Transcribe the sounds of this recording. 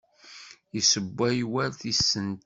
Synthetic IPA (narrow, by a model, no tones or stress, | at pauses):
jisəbːæjwæɾθisːənt̪